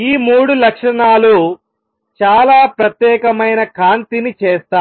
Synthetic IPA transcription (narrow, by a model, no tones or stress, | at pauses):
iːmuːɽulɐkʂɐɳaːlu | t͡ʃaːlaːpɾɐt̪jɛːkɐmɐjnɐkaːnt̪init͡ʃɛːst̪aː